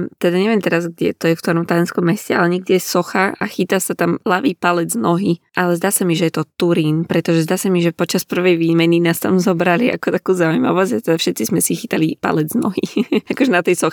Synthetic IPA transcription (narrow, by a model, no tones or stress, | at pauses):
t̪ɛd̪aɲɛʋiɛmt̪ɛɾazɡɟɛ̰t̪ɔjɛfkt̪ɔɾɔmt̪ajɔnskɔmːɛscɛalɛɲɛɡ̚dɛjɛsɔxaʔaxit̪asat̪amlaʋiːpalɛd͡znɔɦiʔalɛzd̪aːsamiʒɛjɛt̪ɔt̪uɾiːnpɾɛt̪ɔʒɛzd̪aːsamiʒɛpɔt͡ʃaspr̩ʋɛjʋiːmɛninaːst̪amzɔbɾaliʔa̰kɔt̪akuːzaːujmaɔʋazat̪ɛd̪afʃɛt̪t͡sizmɛsixit̪alipa̰lɛd͡znɔ̰ɦḭakɔʒɛnat̪ɛjsɔxi